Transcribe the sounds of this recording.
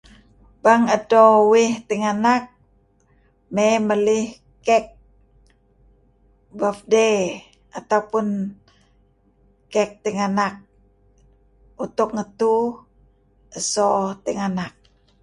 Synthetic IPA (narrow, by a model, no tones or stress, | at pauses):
baŋədowiht̪iŋanak̚ | meməlɪh | kɛk̚ | bafde | at̪aupun | kɛk̚t̪iŋanak̚ | ut̪ʊk̚ŋət̪u | əsot̪iŋanak̚